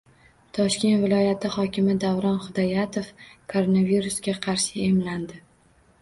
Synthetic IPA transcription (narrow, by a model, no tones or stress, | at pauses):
t̪ʰɒʃkʲe̞nt̪vɪlɒjat̪ʰɪχɒkʲɪmɪd̪avɾɒnχʊd̪ajat̪ʰofkʰoɾonaviɾusɡʲaqʰɑɾʃɪemland̪ɪ